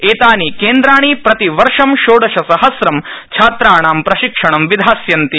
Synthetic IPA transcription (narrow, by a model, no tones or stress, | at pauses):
eːt̪aːnikeːnd̪ɾaːɳ̃ipɾɐt̪iʋɐɾʂɐmʃoːɽɐʃɐsɐɦɐsɾɐmt͡ʃʰaːt̪ɾaːɳaːmpɾɐʃikʂɐɳɐmʋid̪ʱaːsjɐnt̪i